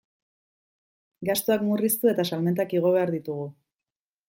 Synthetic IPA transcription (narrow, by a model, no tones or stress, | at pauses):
ɡast̪oakmurist̪ue̞t̪asalme̞nt̪akiɣ̞o̞β̞e̞aɾðit̪uɣ̞u